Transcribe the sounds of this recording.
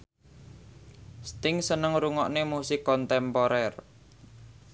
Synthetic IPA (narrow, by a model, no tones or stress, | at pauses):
st̪ɪŋsənəŋɾuŋɔʔnemusɪkːɔnt̪ɛmpɔɾɛr